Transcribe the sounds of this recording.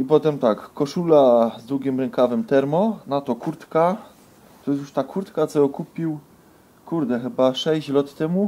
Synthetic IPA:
ipɔt̪ɛmt̪akːɔʂulazd̪wuɡʲimɾɛŋkavɘmt̪ɛɾmɔnat̪ɔkuɾt̪ka | t̪ɔjɛs̬uʂt̪akʰuɾt̪kat̪sɔɔkupʲiw | kuɾd̪ɛxɘbaʂɛɕt͡ɕlɔt̪ːɛmu

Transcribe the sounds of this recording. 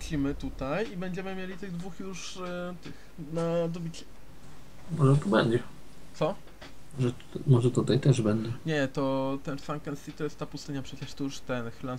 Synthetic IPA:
t͡ɕimɘt̪ut̪ajibɛɲd͡ʑɛmɘmʲjelʲit̪ɘɣd̪vuxjuʂt̪ɘx | nad̪ɔbʲit͡ɕɛ̥ | mɔʐɛt̪ɔbɛɲd͡ʑɛ | t̪sɔ | mɔʐɛ | mɔʐɛt̪ut̪ajt̪ɛʐbɛɲd͡ʑɛɲɛt̪ɔt̪ɛnsamkɛnsit̪ɔjɛst̪ːapust̪ɘɲapʂɛt͡ɕɛʂt̪ɔjuʂt̪ɛnxla

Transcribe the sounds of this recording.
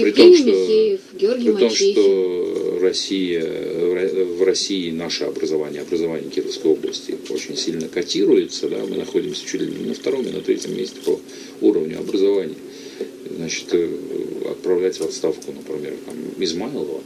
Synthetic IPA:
pɾʲɪt̪omʂt̪o | ɡʲorɡpɾʲɪo̞mʂt̪o̞rɐsʲijəɐvrɐsʲiːnaʂɨɐbɾəzɐvanʲɪjəɐbɾəzɐvanʲɪjəkʲirəfskəjo̞blˠəsʲtʲɪ̰o̞̰t͡ɕɪnʲsʲilʲnəkɐtʲiɾʊjɪt̪səd̪a̰mɨnɐxo̞dʲɪmsʲə̥t͡ɕut̪ʲlʲnəft̪ɐɾo̞mḭnɐt̪ɾʲetʲɪmːʲesʲtʲɪ̥pɐ | uɾəvnʲʊɐbɾəzɐvanʲɪjə | znat͡ɕɪ̥t̪əɐ̰t̪̚pɾɐvlʲætʲvɐt̪st̪afkʊnəpɾʲɪmʲe̞rt̪amɪzmalˠəvə̰

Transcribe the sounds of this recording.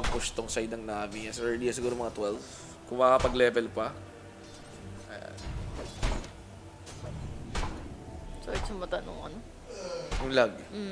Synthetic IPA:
ɐɡ̚pʊst̪oŋsajd̪nɐŋnaːbɪɲasɛɛd̪iɐs̬ɪɡuːɾomɐŋat̪wɛlf | kʊŋmɐʔɐpɐɡlɛːvɛlpɐ | ʔɐja̰n | t͡ʃojt͡ʃɐŋmɐt̪ɐno̰ŋʔɐ̰no | jʊŋlaɡ̩̚

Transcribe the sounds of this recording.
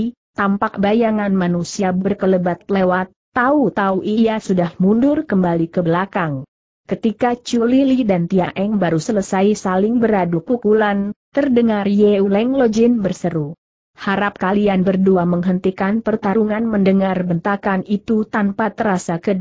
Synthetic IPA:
t̪ampak̚bajaŋanmanusiabərkələbat̪̚lewat̪ːaut̪auʔiasudahmundʊrkəmbalikəbəlakaŋ | kət̪ikat͡ʃulilidant̪iaʔɛŋbaɾusələsajsalɪŋbəɾadukukulant̪ərdəŋarjeulɛŋlod͡ʒɪnbərsəɾu | haɾap̚kalianbərduaməŋɦənt̪ikanpərt̪aɾuŋanməndəŋarbənt̪akanit̪ut̪ampat̪əɾasakəd

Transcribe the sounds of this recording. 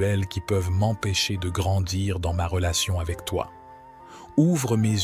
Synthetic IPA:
ɛlkʲipœvmɑ̃peʃed̪əɡʁɑ̃d̪iʁd̪ɑ̃maʁəlasjɔ̃avɛkt̪wa̰ | uvʁəmez

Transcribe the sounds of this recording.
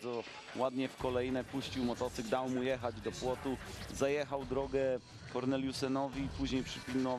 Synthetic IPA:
ɔ | wad̪ɲɛfkɔlɛjinɛpuɕt͡ɕiwmɔt̪ɔt̪sɘɡd̪awmujɛxad͡ʑd̪ɔpwɔt̪uzajɛxawd̪ɾɔɡɛ | kɔɾnɛljusɛnɔvʲiːpuʑɲejpʂɘpʲinɔ

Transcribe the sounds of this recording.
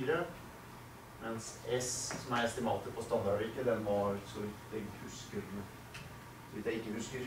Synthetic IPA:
ɾə | mɛnsɛssɔmæɾɛst̪ɪmɑːt̪əpʰɔst̪ɑb̪ɑɾɪkːəd̪ɛnʋɑɾsɔʋɪd̪ɛɡhʉskəd̪nə | sɔʋɪt̪jæɪɪkːəhʉskəɾ

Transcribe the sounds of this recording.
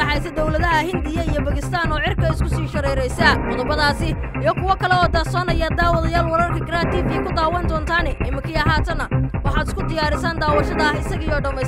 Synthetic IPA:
ɐħɑjsɐd̪ɔwlɐðɐɦɐhɪnd̪ɪjɐijɔbɐɣɪst̪ʰaːnɔːʕɪrkʰɐɪskʰʊsiːʃɐɾɛːɾɛjsɐqɔðʊbɐðaːsɪ | ijɔkʰʊwɐkʰɐlɛɔːd̪ɐsɔːnɐjaːd̪aːwɑðɐjaːlwɐɾɐrkʰɐɡɪɾaːt̪iːfikʰʊd̪aːwɐnd̪ɔːnt̪ʰaːnɛʔɪmɪkʰiːɐɦaːt̪ʰɐnɐwɑħɑːd̪ɪskʰʊd̪ɪjaːɾɪsaːnd̪aːwɑʃɐðɐɪsɐɣɪjɔːɖɐmɛ

